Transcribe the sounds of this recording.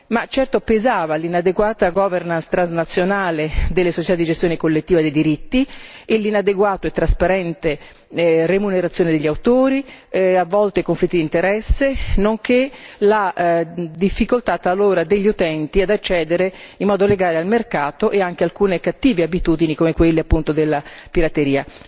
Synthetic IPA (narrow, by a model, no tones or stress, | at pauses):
mat͡ʃːɛrt̪opezaːvalinad̪eɡwaːt̪aɡɔvernanst̪ɾanznat̪sːjonaːled̪elːesot͡ʃe̥t̪ad̪id͡ʒest̪joːnekolːet̪ːiːvad̪ejd̪iɾit̪ːielːinad̪eɡwaːt̪oet̪ːɾaspaɾɛnt̪e | remuneɾat̪sːjoːned̪eʎːawt̪oːɾiavːɔlt̪ekoɱflit̪ːid̪int̪eɾɛsːenoŋkela | d̪ifːikolt̪at̪aloːɾad̪eʎːiut̪ɛnt̪iad̪at͡ʃːɛːd̪eɾeimːɔːd̪oleɡaːlealmerkaːt̪oʔeaŋk̟ealkuːnekat̪ːiːveabit̪uːd̪inikomekwelːeapːunt̪od̪elːapiɾat̪eɾiːa